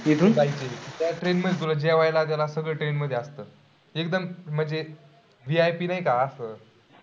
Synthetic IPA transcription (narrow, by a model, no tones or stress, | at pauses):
id̪und͡zajt͡ɕeit̪jaʈɾenməd̪ʱjet̪̬uləd͡ʑeʋajlat̪̬jalasəɡɭəʈɾenməd̪ʱːjeast̪əː | ekd̪əmm̤əɳd͡ze | ʋiajpiːnaikaːsəː